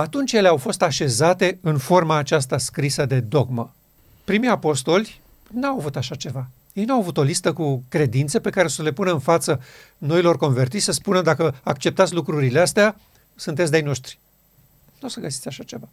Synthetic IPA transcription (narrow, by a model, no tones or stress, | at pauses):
at̪unt͡ʃje̞leawfo̞st̪aʃe̞zat̪e̞ɨnfo̞rmaːt͡ʃas̬t̪askɾisəd̪e̞d̪o̞ɡmə | pɾimijapo̞st̪o̞lʲ | nawavut̪aʃat͡ʃe̞va | je̞jnuawavut̪o̞list̪əkukɾe̞d̪int̪se̞pe̞kaɾe̞osəle̞punəɨnfat̪sə | no̞ilo̞rko̞nve̞rt̪isʲsəspunəd̪akəakt͡ʃe̞p̚t̪at̪sʲlukɾuɾileast̪ea | sunt̪̬et̪sd̪ajno̞ʃt̪ɾʲi̥ | nosəɡəsit̪sʲaʃat͡ʃe̞va